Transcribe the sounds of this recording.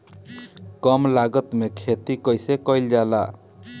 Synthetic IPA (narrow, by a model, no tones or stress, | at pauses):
kɔmlaɡət̪mekʰet̪ikʌjsekʌjld͡ʒala̰